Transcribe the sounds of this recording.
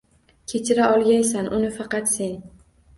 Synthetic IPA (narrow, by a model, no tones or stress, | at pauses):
kʲʰe̞t͡ʃʰɪɾaɒlˠɡʲajsanʔʊnɪfɑqɑt̪se̞n